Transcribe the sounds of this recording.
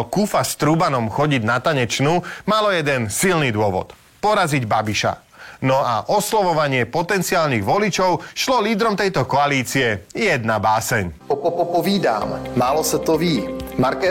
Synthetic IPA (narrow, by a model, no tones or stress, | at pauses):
kufast̪ɾubanɔmxɔɟiɟnat̪aɲɛt͡ʃnuːmalɔjɛd̪ɛnsilnid̪ʊɔʋɔ̰t̪ | pɔɾaziɟbabiʃa̰ | nɔa̰ʔɔslɔʋɔʋaɲɪɛpɔt̪ɛnt͡siaːlniɣʋɔlit͡ʃɔʊʃlɔliːd̪ɾɔmt̪ɛjt̪ɔkɔaliːt͡siɛjɛd̪nabaːsɛɲɔpɔpɔpɔviːd̪a̰ːmmaːlɔsɛt̪ɔviːmaɾkɛ